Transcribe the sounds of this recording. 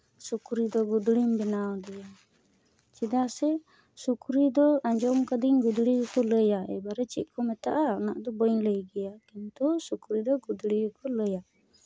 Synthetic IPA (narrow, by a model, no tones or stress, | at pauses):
sukɾid̪ɔɡud̪ɽimbɛnawd̪ɛja | t͡ʃid̪asɛ | sukɾid̪ɔaɲd͡ʒɔmkad̪iɲɡud̪ɽiukɔləjaɛ̰baɾɛt͡ʃikʰɔmɛt̪aʔanaʔd̪ɔbɔjɲləjɡɛjakint̪usukɾid̪ɔɡud̪ɽiukɔləja